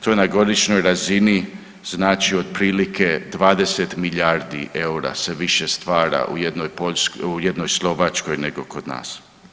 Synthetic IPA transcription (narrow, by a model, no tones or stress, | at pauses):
t̪o̞naɡo̞d̪iʃno̞jɾazini | znaːt͡ʃio̞d̪̚pɾiːlikʰed̪ʋaːd̪e̞set̪miʎaɾd̪ḭʔeuɾa̰se̞ʋiʃe̞st̪ʋaːɾa̰ʔṵjed̪nojpoʎskujed̪no̞jslˠo̞ʋat͡ʃko̞jneɡo̞ko̞d̪na̰ːs